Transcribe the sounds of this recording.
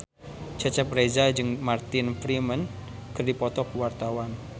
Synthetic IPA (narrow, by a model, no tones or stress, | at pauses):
d͡ʒ̥at͡ʃap̚rezad͡ʒɨŋmart̪ɪnfɾimən | kɨrdipɔt̪ɔkuwart̪awan